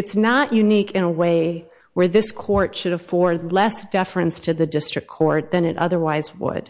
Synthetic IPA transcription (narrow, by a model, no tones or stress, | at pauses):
ɨtsnəʔjʔʉnikʰɨ̃nəweɪ | wə˞ðɪskʰɔɹtʃɨɾəfɔɹdˡlɛsd̥ɛfɹɨ̃nstʰɨðɨdɪstɹ̥ɨkʰɔɹt̪̚ðɨ̃nɨɾʔʌ̰ðə˞waɪzwʊ̰d̥